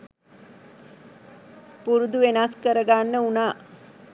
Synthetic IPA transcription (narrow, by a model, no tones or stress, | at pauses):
puɾud̪uʋenaskəɾəɡanːəunaː